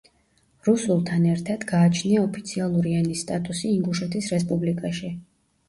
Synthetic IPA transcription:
ɾusulˠt̪ʰanɛɾt̪ʰad̪̥ɡaːt͡ʃʰniaɔpʰit̪sʰialˠuɾianist̪ʼat̪ʼusiːŋɡuʃɛt̪ʰisɾɛspʼublikʼaʃi

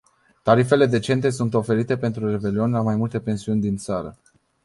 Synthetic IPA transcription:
t̪aɾife̞le̞d̪e̞t͡ʃe̞nt̪e̞sunt̪o̞fe̞ɾit̪e̞pe̞nt̪ɾure̞ve̞lio̞nʲlamajmult̪e̞pe̞nsiunʲd̪int̪saɾə̰

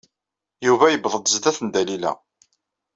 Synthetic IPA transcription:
juvæjəbðˤəd̪ˤzðæθənd̪ælilæ̰

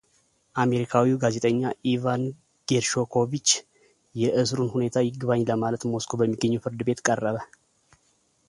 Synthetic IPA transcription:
ʔame̞ɾikʰawiwɡaze̞t̪ʼəɲːaʔivan | ɡ̥eɾʃo̞kʰo̞βit͡ʃː | jɛʔɨs̬ɾunhune̞t̪ʰajɪɡβaɲːləmalət̪mo̞skʰobəmːiɡːəɲːuwfɨɾd̪ɨbe̞t̪kʼərːəβə

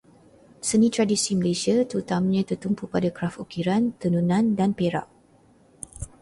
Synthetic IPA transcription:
sənĩt̪ɾadisiməlesiat̪ut̪amɲãt̪ərt̪umpupadakɾafukiɾant̪ənunãndanpeɾa̰ʔ

